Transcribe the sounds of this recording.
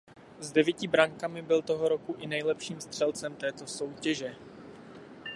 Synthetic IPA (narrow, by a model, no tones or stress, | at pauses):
zdɛvjɛcɪbɾaŋkamɪbɪlt̪o̞ɦoɾo̞kuʔɪnɛjlɛpʃiːmst̪r̥ɛlt͡sɛmt̪ɛːt̪o̞so̞wcɛʒɛ